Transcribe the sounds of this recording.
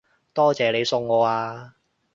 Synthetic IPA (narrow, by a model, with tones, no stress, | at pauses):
t̪ɔː˥t͡sɛː˨˧le˨˧jsʊ˧ŋːɔː˨˧aː˧